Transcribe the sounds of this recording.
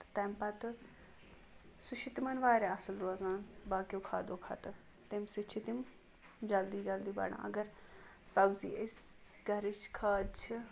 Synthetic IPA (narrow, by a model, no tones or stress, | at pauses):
t̪t̪ɛmpɐt̪ | suʃʰit̪imɐnʋaːɾeɐsɐlɾoːzaːnbaːkijoːkʰaːd̪oːkʰɐ̰t̪ɨ | t̪imsit͡ʃʰit̪im | d͡ʒɐld̪iːd͡ʒɐld̪iːbɐ̰ɳã̰ɐ̰ɡɐɾ | sɐbzḭːʔes | ɡɐɾit͡ʃkʰaːd̪t͡ʃʰi